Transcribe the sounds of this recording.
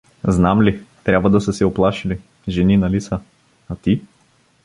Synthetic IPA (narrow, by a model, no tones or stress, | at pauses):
znamlit̪ɾʲabvəd̪ɐsəsɛoplˠaʃili | ʒɛninɐlisə | at̪i